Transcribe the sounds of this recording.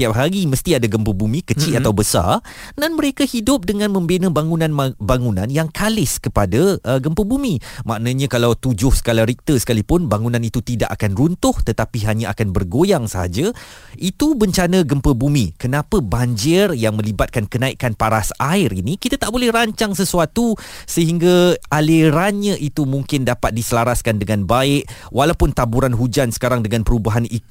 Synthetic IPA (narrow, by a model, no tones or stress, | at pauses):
t̪iap̚ɦaɾiməst̪iadaɡəmpəbumĩkət͡ʃiat̪awbəsa̰r | danməɾekahidʊp̚dəŋãnmə̃mbenə̃baŋunãnbaŋunã̰njaŋkalɪskəpadaʔəɡəmpəbumĩmã̰ʔnãɲãkalawt̪ud͡ʒʊhsə̥kalaɾik̚t̪əsə̥kalipʊnbaŋunãnit̪ut̪ida̰ʔakanrunt̪ʊht̪ət̪apiɦaɲaakanbərɡojaŋsəɦa̰d͡ʒa | ʔit̪ubəɲt͡ʃanə̃ɡəmpəbumĩkənãpəbaɲd͡ʒɪrjaŋmə̃libat̪̚kankənãiʔkanpaɾasaɪɾinĩkit̪at̪aʔbolɛhɾaɲt͡ʃaŋsəsuat̪usəɦiŋɡaaleɾanɲãʔit̪umũŋkɪndapat̪̚disəlaɾaskandəŋanbaɪʔ̚ | wʔalawpʊnt̪abuɾanɦud͡ʒansə̥kaɾaŋdəŋãnpəɾubaɦani